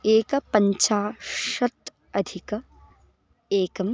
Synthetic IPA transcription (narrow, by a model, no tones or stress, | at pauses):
eːkɐpɐɲt͡ʃaːʃɐt̪ | ɐd̪ʱikɐ | eːkɐm